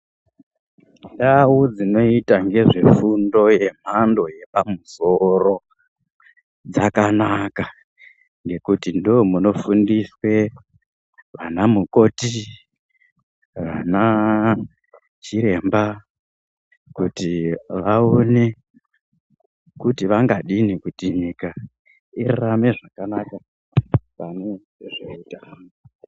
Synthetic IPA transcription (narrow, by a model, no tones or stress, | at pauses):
ndawud͡zino̞itaŋɡe̞ʐe̞fundo̞je̞m̤ando̞je̞pamuso̞ro̞ | d͡zakanaka | ŋɡe̞kutindomuno̞fundiswe̞ | ʋanamuko̞ti | ʋana | t͡ʃiɾe̞mba | kutiʋaone | kutiʋaŋɡaɗinikutiɲika | irrame̞ʐakanaka | pane | ʐoitaŋo